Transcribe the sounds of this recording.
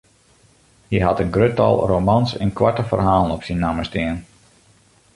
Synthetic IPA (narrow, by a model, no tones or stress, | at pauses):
hiɦatənɡrøtɑ̰lˠrowmɑnsə̰nkwaɹtəfə̰rɦaːlˠənɔpsinːaməstɪən